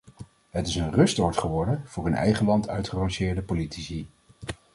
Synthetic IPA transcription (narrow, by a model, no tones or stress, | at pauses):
ɦətɪsənrɵstɔɹtχəʋɔɹdənv̥ʊːɹɵnɛ̰jχənlɑntœ̰ɥtχərɑ̃ŋʃɪːɹdəpolitisi